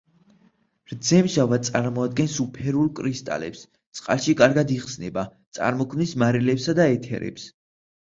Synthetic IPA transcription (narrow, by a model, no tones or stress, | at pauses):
ɾd̪zɛmʒavad̪̚sʼaɾmɔad̪̚ɡɛnsupʰɛɾulˠkʼɾist̪ʼa̰lɛ̰ps | t̪sʼqʼa̰lˠʃikʼaɾɡad̪iχsnɛbat̪sʼa̰ɾmɔkʰmnismaɾɛlɛpsad̪aɛt̪ʰɛ̰ɾɛ̰ps